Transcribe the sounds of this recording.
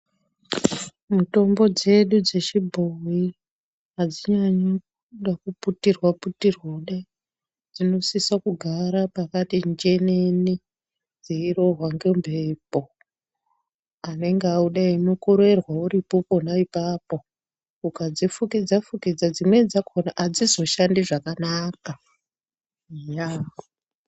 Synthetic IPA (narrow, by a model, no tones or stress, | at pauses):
muto̞mbo̞d͡ze̞ɗud͡ze̞ʃibʱowi | ɦad͡ziɲaɲo | uɗakuputirwaputirwoɗe | d͡zino̞sisakuɡʱaɾapakatind͡ʒe̞neni | d͡zeiɾo̞ɦwaŋɡembʱeːpo̞ | ane̞ŋɡeauɗainokoɾe̞rwauɾipoko̞naipaːpo̞ | ukad͡zifukid͡zafukid͡zad͡zimwe̞d͡zakʰonaʔad͡zizo̞ʃandiʐakanaːka | ja